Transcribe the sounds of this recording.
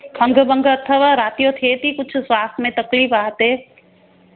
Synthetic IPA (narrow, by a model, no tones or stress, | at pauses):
kʰɐ̃ŋɡbə̃ŋɡɐt̪ʰːəʋaɾaːt̪ijot̪ʰeːt̪ikʊt͡ʃʰswaːst̪ʰmẽt̪ɐkliːfaːt̪ɦe